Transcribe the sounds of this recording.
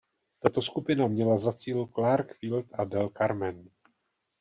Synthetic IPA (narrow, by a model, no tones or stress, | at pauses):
t̪at̪o̞skupɪnamɲɛlazat͡siːlklaɾkfilt̪ʔadɛlkaɾmɛn